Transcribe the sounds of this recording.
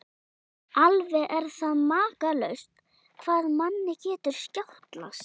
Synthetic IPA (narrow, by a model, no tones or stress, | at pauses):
alvɛʔɛɾ̥θaðmaːkalœɥst̪ | kʰvaːðmanːɪcɛːt̪ʏɾ̥scawht̪la̰st̪